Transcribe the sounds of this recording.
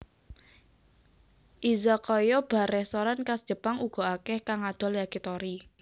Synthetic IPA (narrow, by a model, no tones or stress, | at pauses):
ʔizakɔjɔb̥a̤ɾɛhst̪ɔɾankasd̥ʒ̥ə̤paŋuɡ̥ɔ̤akɛhkaŋad̪̥ɔ̤ljakit̪ɔɾi